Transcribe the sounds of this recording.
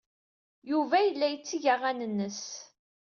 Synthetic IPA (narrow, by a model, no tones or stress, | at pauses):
juvæjəlːæjət͡sːiʝaʁænənːəs